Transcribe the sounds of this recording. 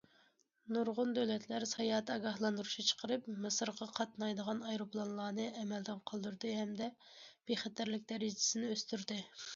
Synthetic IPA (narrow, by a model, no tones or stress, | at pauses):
nuɾʁʊnd̪øwlɛt̪ʰlæɾsɑjɑːt̪ʰɑɡɑhlˠɑnd̪uɾuʃit͡ʃʰə̥qʰəɾɨpmɨsəɾʁɑqʰɑt̪nɑjd̪əʁɑnɑjɾoplˠɑnlˠɑːnɨʔɛmɛld̪ɪnqʰɑlˠd̪uɾd̪ɨɦɛmd̪ɛ | b̥eχæt̪ʰæɾlɪkʲd̪ɛɾid͡ʒɪ̥sɪnɪøst̪yɾd̪ɪ